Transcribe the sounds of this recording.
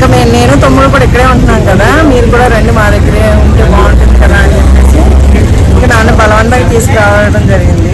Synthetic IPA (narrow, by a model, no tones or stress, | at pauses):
kɐmeːneːnut̪omːiðɐkuːɽaɐikːɐɽeːuɳʈɐnːaːnkɐd̪aːmiːɾukuːɽaːɾeɳɖumaːɾɛkːɐɾeːuɳʈeːʋaːɳʈɐkɐlaːnɐpeːsi | kːɐnaːnːubɐlɐʋɐnt̪ɐːt̪iːsu̥kiɾaːʋaːɭɐɽɐmd͡ʒɐɾiɡind̪i